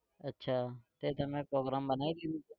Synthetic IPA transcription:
ətːʃʰaːt̪eːt̪əmẽːpɾoːɡɾaːmbənaːiːɾiũː

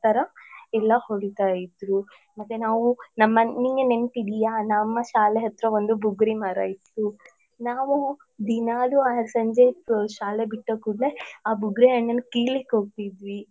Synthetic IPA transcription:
t̪ɐɾɐɛlːɐhoɽit̪aːjid̪ɾu | mɐt̪ːenaːʋunɐmːɐniŋɡene̞mʈid̪ijanɐmːɐʃaːleɦɐt̪ːɾɐʋond̪ubʱuɡɾimɐɾɐ̰jit̪ːu | naːʋu | d̪inaːluaːɾsɐɲd͡ʒeʃaːlebiʈːokuɽleaːbuɡɾeɐɳːɐnːɐkiːlekːɦoːɡ̚t̪id̪ʋi

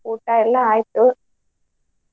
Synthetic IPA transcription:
uːʈːaːɛlːãaːjt̪ːɯ

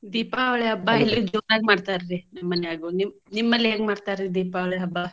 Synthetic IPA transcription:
d̪iːpaʋɭeɐbːailːud͡ʒoːnaːɡ̚maːɖt̪aɾɾinɐmːɐnɛaːɡunim | nimːɐlːeːɡmaːɽt̪ajɾɾid̪iːpaʋɭeɐbːa

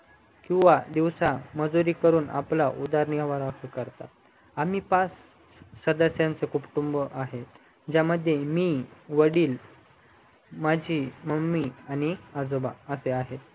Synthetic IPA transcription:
kĩw̃ʋad̪iʋsaməd͡zoɾiːkəɾuːna̰pla̰ʔud̪aɾniəʋaɾakukəɾt̪a̰ | am̤iːpas | səd̪əsjãnt͡sekupʈumbəʔaɦe | d͡ʑjaməd̪ʱjemiːʋəɽiːl | mad͡ʑʱiːməmːiañiad͡zobaəseaɦe

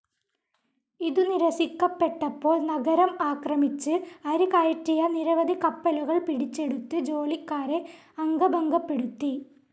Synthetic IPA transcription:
iðuniɾɐsikːɐpːe̞ʈːɐpːo̞ːɭnɐɡɐɾɐmaːkrɐmit͡ɕːɨɐɾukɐjʈːijɐniɾɐʋɐd̪ʱikɐpːɐluɣɐɭpiɽit͡ɕːe̞ɽut̪ːɨd͡ʑo̞ːlikːaːɾe̞ | ɐŋɡɐbɐŋɡɐpːe̞ɽut̪ːi

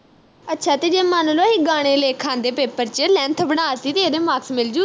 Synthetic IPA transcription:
ətːʃʰaːt̪eːd͡ʒeːmanloaɦɪɡaːɽ̃ẽːleːkʰãːnd̪eːpeːpəɾt͡ʃelɛ̃ːnt̪ʰbənaːsiːt̪eːeːd̪eːmaːksmɪld͡ʒu

